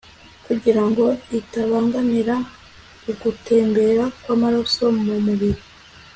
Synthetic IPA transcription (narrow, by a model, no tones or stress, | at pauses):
kuɟiɾaŋɡo̞itaβaːŋɡamiɾa | uɡute̞ːmbe̞ɾakwaːmaɾoso̞mumuβiɾi